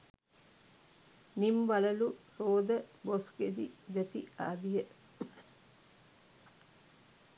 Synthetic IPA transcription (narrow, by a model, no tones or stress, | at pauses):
nimʋaləluɾoːd̪əbosked̪ḭd̪et̪ia̰ːbijə